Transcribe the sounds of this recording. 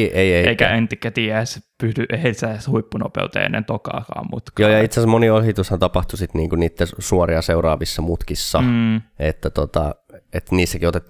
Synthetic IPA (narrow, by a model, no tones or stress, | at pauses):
eieeikæ̰ent̪ikːæt̪iːæespystyʔehelsæshuipːuno̰pḛut̪ḛːḛnːḛnt̪okɑ̰ːkɑ̰ːmmṵt̪kjoːjɑit̪sesmoniolhit̪ushɑnt̪ɑpɑht̪usit̪niːŋkuniːt̪ːæsuoriɑseurɑːʋisːɑmut̪kisːɑet̪ːæt̪ot̪ɑ̰ | et̪niːsːækiot̪et̪ː